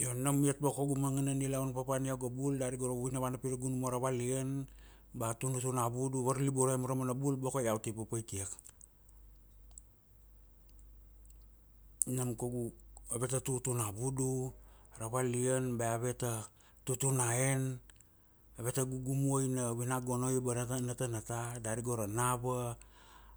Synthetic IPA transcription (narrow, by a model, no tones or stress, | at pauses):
jonamiat̚bakoɡumaŋananilawnpapaniawɡabuldaɾiɡoɾoβujnaβanapiɾaɡunumoɾaβalian | batunutunabuduβaɾliboɾaemoɾamanabulbokojawtipapajkiak | namkoɡuaβe̞tatutunabuduɾaβalianbaaβe̞ta | tutunaen | aβe̞taɡuɡumuojnaβenaɡonojbanatanatanatadaɾiɡoɾanaβa